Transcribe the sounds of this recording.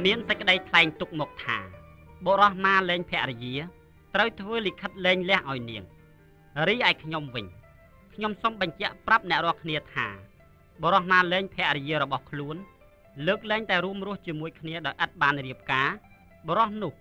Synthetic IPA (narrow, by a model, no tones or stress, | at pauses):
miənsɛc̚kːə̆ɗəjt̪ʰlaɛŋt̪uk̚mɔːk̚t̪ʰa̰ːɓoɾɑhmaːlɛːɲpʰɛ̆əʔrɛjiə | t̪rəwt̪ʰʋəːlikʰət̪̚lɛːɲlɛ̆əhʔaɔjniəŋ | riːʔaɛjkʰɲomʋɨɲ | kʰɲomsomɓɑɲt͡ɕɛ̆əʔprap̚nɛ̆əʔrɔəlkʰniət̪ʰa̰ː | ɓoɾɑhmaːlɛːɲpʰɛ̆əʔɾɛjiəɾɔɓɑhkʰluən | ləːk̚lɛːŋt̪aɛɾuəmrŭəht͡ɕiəmuəjkʰniəɗaɔjʔət̪̚ɓaːnriəp̚kaː | ɓɔɾɑhnʊ̆əh